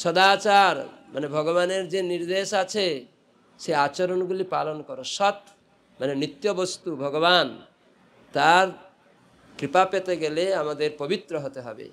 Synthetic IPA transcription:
sɔd̪at͡ʃaɾmanebʱɔɡɔβaneɾd͡ʒeniɾd̪esat͡ʃʰe | seat͡ʃɔɾɔnɔɡulipalɔnɔkɔɾɔsɔt̪ | manenɾit̪jɔbɔst̪ubʱɔɡɔβan | t̪aɾ | kɾipapet̪eɡeleamad̪eɾpɔbit̪ɾɔɦɔt̪eɦɔbḛ

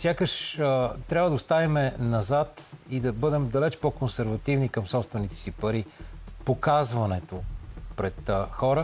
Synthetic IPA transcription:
sʲjakəʃət̪ɾʲabvəd̪oʊst̪avimɛnɐzat̪id̪ɐbɤd̪ɛmd̪ɐlɛt͡ʃpɔkonsɛɾvɐt̪ivnikɐmsɔpst̪vɛnit̪ɛ̥sipɐɾipokazvɐnɛt̪opɾɛt̪xɔɾə

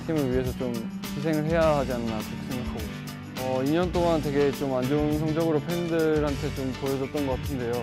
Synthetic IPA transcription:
ɕʰimɯɭɥiɦe̞sʰʌt͡ɕom | t͡ɕisʰe̞ŋɯɭɦe̞jaɦad͡ʑiannakokʰs͈ʰeŋɯɭɦaɡo | ʌiɲʌnt͈oŋant̬we̞ɡe̞t͡ɕomand͡ʑouns̬ʰʌŋd͡ʑʌɡɯɾopʰendɯɾhantʰe̞t͡ɕompojʌd͡ʑʌt͈̚ʌnɡʌk͈atʰɯnde̞jo

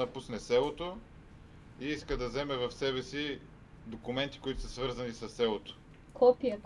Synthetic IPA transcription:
ɐpusnɛsɛlˠot̪o | iiskəd̪ɐzɛmɛvɐfsɛβɛsi | d̪okumɛnt̪i̥kʊit̪ʊ̥səsvɤɾzɐnisɐsːɛlˠot̪o̥ | kʰɔpiə

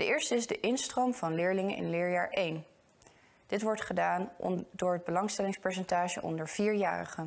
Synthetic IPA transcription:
dəɪːɹstəɪzdəʔɪnstromv̥ɑnlɪːɹlɪŋənɪ̰nlɪːɹjaːɹʔejn | d̥ɪtʋɔɹtχədaːndʊːɹɦəd̚bəlɑŋstɛlɪŋspɛɹs̬ɛntaːʒəʔɔ̰ndəɹv̥iːɹja̰ːrə̰χən

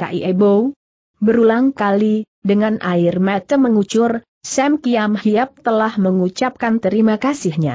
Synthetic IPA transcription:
ka̰ʔiʔebow | bəɾulaŋkali | dəŋanʔaɪrmat͡ʃəmːəŋut͡ʃʊr | sɛmkiamhiap̚t̪əlahməŋut͡ʃap̚kant̪əɾimakasɪhɲa̰

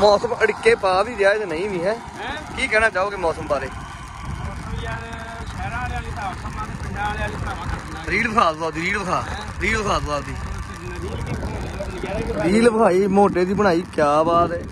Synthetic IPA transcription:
mɔːsəməɽkeːpaːbiːd͡ʒjaːeːd̪enəĩːʋĩːɦɛː | kiːkɛːnãːt͡ʃaːoːkemɔːsəmbaːɾḛː | ɾiːlbəkʰaːt̪ːaːld̪iːɾiːlbəkʰaː | ɾiːlbəkʰaːt̪ːaːld̪iː | ɾiːlbəkʰaːiːmoːʈeːd̪iːbəɽ̃aːiːkjaːbaːt̪ɛː

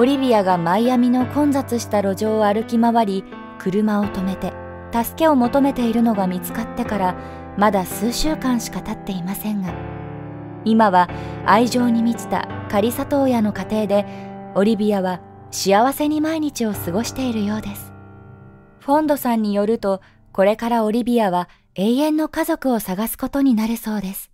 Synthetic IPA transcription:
o̞ɾʲibʲiaɡamaijamʲino̞kõ̞nd͡zat͡sɨɕi̥t̪aɾo̞ʑo̞ːaɾɯ̟kʲimaβaɾʲi | kʰɯ̟ɾɯ̟mao̞t̪o̞me̞t̪e̞ | t̪asɨ̥ke̞o̞mo̞t̪o̞me̞t̪e̞iɾɯ̟no̞ɡamʲit͡sɨ̥kat̪ːe̞kaɾa | mad̪asɨːɕɨːkãɰ̃ɕi̥kat̪at̪ːe̞imasẽ̞ŋɡa | imaβaaiʑo̞ːɲ̟imʲit͡ɕi̥t̪a̰kaɾʲisat̪o̞ːjano̞kat̪e̞ːd̪e̞o̞ɾʲibʲiaβa | ɕiaβase̞ɲ̟imaiɲ̟it͡ɕio̞sɨɡo̞ɕi̥t̪e̞iɾɯ̟jo̞ːd̪e̞sɨ̥ | ɸõ̞nd̪o̞sãɲ̟ːijo̞ɾɯ̟t̪o̞ | ko̞ɾe̞kaɾao̞ɾʲibʲiaβ̞a | e̞ːjẽ̞nːo̞kazo̞kɯ̟o̞saɡasɨ̥ko̞t̪o̞ɲ̟inaɾɯ̟so̞ːd̪e̞sɨ̥

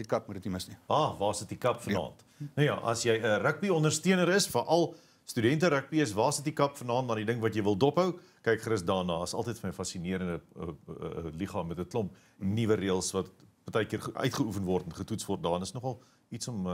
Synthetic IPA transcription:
ikɐp̚mudətniməsniɑːvɑːsətdikɐpfənɑ̰ːnt | nɐwjɑ̰ːʔɐ̰sjɛjəɾək̚biɔndərstiənəɾəsfəʔɐlˠ | stydɛntəɾək̚biəsvɑːsətdikɐpfənɑːntdɐndidəŋvɐtjɛjvəlˠdɔpɦəw | kɛjkχɾəsdɑːnɑːəsɐ̰lˠtəjtfəməjfɐsiniəɾəndəəə̰liχɑːmɛtətlɔmp | nivəɾiəlˠsvɐtpɑrtɛjkiərʔœ̰ɥtχəufənvɔrtɛnχətutsvɔrt̚dɑːnəsnɔχɐlˠ | itsɔm

